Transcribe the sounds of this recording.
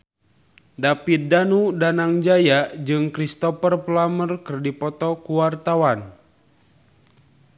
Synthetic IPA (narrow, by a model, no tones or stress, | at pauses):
dapit̪̚danudanaŋd͡ʒajad͡ʒɨŋkɾist̪ɔpərplamərkərdipɔt̪ɔkuwart̪awan